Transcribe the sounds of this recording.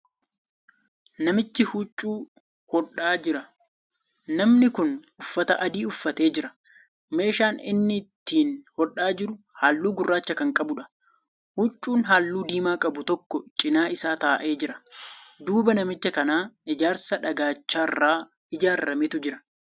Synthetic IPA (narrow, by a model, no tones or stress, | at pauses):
nɐmɪt͡ʃːɪhut͡ʃʼːuː | hɔᶑːaːd͡ʒɪɾɐ | nɐmnɪkʊn | ʊfːɐt̪ɐʔɐd̪iːʊfːɐt̪e̞ːd͡ʒɪɾɐ | me̞ːʃaːnɪ̰nːɪt̪ːiːnhɔᶑːaːd͡ʒɪɾʊ | haːlːuːɡʊrːaːt͡ʃːɐkɐŋkʼɐbʊᶑɐ̥ | hʊt͡ʃʼːuːnɦaːlːuːd̪iːmaːkʼɐbʊt̪ɔkːɔt͡ʃʼɪnaːɪsaːt̪aːʔe̞ːd͡ʒɪɾɐd̪uːbɐnɐmɪt͡ʃːɐkɐnaːɪd͡ʒaːɾsɐᶑɐɡaːt͡ʃːaːrːaː | ɪd͡ʒaːɾːɐmɪt̪ʊd͡ʒɪɾɐ̥